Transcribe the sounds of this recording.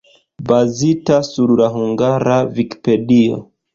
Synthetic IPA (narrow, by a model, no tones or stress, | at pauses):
bazitasuɾlaɦuŋɡaɾaviki̥pe̞dio̰